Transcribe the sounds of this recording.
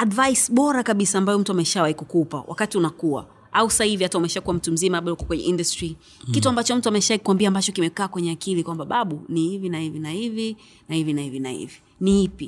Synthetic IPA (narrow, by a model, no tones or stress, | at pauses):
aɗvajsɓɔɾakaɓisaːmbajɔm̩tuamɛʃawaikukupa̰wʔa̰katiunakuwa̰ | ausahiviataumɛʃakuwam̩tum̩zimaaɓaukɔkwɛɲɛ̰ʔindastɹi | kituambat͡ʃɔm̩tuamɛʃaikwambiaːmbat͡ʃɔkimɛkaːkwɛɲɛakilikwambaɓaɓunihivinahivinahivi | nahivinahivinahḭvi | nihipi